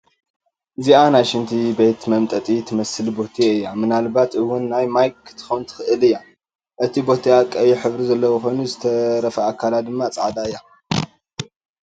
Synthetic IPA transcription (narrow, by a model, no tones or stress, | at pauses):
ɨzianajʃɨnt̪ʰibejt̪mɐmt̪ʼɐt̪ʼit̪ʰɨmɐsɨlbo̞t̪ʰiɨjːamɨnalbat̪ʔɨwːʊnːajmajkt̪ʰɨ̥xownt̪ʰɨ̥xɨʔɨlɨjːa | ʔɨt̪ʰibo̞t̪ʰiakʼːɐjiħɨβɾizɐlːɐwxo̞jnuzɨt̪ʰɐɾɐfɐakʰːalad̪ɨmːat͡sʼaʕd̪aɨjːa